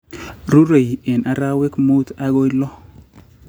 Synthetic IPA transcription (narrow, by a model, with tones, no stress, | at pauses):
ɾu˦ɾe˨jɪ˨na˨ɾa˦wɪ˦kmu˦t̪a˦ɡo˦jlɔ˦